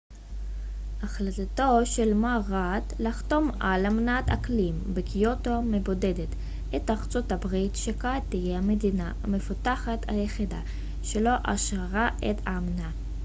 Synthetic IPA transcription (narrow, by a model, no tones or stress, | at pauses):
aχlat̪ato̞ʃelmaʁat̪laχt̪o̞malamnata̰klimbekijotomebo̞dedet | et̪aʁt͡sotabʁitʃekat̪ːijehamedina | mefutaχat̪a̰jeχid̪a̰ | ʃelo̞ʔaʃʁaʁaetamna